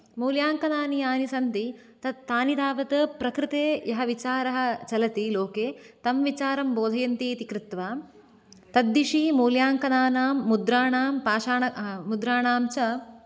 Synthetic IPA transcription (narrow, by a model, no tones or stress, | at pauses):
muːljaːŋkɐnaːniaːnisɐnt̪it̪ɐt̪aːnid̪aːʋɐt̪ɐpɾɐkɾɪt̪eːjɐɦɐʋit͡ʃaːɾɐɦɐ̆t͡ʃɐlɐt̪iloːkeːt̪ɐmʋit͡ʃaːɾɐmboːd̪ʱɐjɐnt̪iːt̪ikɾɪt̪ʋaː | t̪ɐd̪ːiʂimuːljaːŋkɐnaːnaːmːud̪ɾaːɳaːmpaːʃaːɳɐmud̪ɾaːɳaːmt͡ʃɐ